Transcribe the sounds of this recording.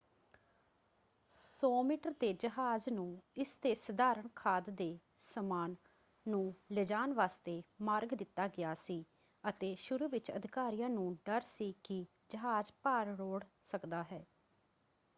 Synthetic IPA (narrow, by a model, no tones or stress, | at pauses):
sɔːmiːʈəɾd̪eːd͡ʒəɦaːznũːɪst̪eːsəd̪aːɾəɳkʰaːd̪d̪eː | səmaːnː | ũːlɪd͡ʒaːnʋaːst̪eːmaːɾɡd̪ɪt̪ːaːɡɪjaːsiː | ət̪eːʃʊɾuːʋɪt͡ʃə̰d̪ʱɪkaːɾijãːnũːɖəɾsiːkɪ | d͡ʒəɦaːd͡ʒpaːɾɾoːɽ | səkd̪aːɦɛː